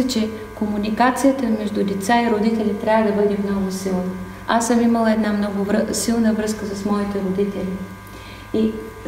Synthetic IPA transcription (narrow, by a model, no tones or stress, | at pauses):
ɛt͡ʃɛ | komunikat̪sijət̪əmɛʒd̪ʊd̪ɛt̪saiɾʊd̪it̪ɛlʲit̪ɾʲavəd̪ɐbɤd̪imnɔɡʊsilˠnə | asəmiməlˠəɛd̪namnɔɡʊvsilˠnəvɾɤskəsɐsmɔit̪ɛɾod̪it̪ɛlʲi | i